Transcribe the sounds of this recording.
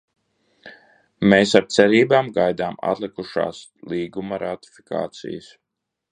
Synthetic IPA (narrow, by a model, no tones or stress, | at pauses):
meːsaɾt̪sɛɾiːbaːmɡajd̪aːma̰t̪lˠikuʃa̰ːslˠiːɡumɐɾat̪i̥fi̥ka̰ːt̪sḭjəs